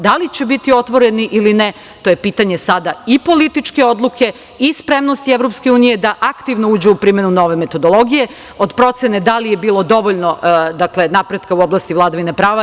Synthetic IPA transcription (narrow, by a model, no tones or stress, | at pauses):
d̪alit͡ɕe̞bit̪io̞t̪ʋo̞ɾe̞niʔiline | t̪o̞jepiːt̪aɲe̞sad̪aipo̞lit̪it͡ʃke̞o̞d̪lˠuke̞ | ispɾe̞mno̞st̪ieʋɾo̞pske̞uːnije̞d̪aʔakt̪iʋno̞uːd͡ʑeupɾiːme̞nuno̞ʋe̞me̞t̪o̞d̪o̞lˠo̞ɡije̞ | o̞d̪pɾo̞t̪se̞ne̞d̪alijebiːlˠo̞d̪o̞ʋo̞ʎno̞d̪akle̞napɾed̪kauoblast̪iʋlˠad̪aʋine̞pɾaːʋa